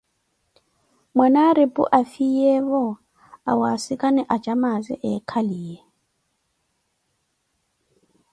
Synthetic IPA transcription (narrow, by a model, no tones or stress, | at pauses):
mwɛnaɾepʼṵʔafijɛβɔ | awasɪkʼanɛʔad͡ʒamazɛ̰ʔɛkʰaliːjɛ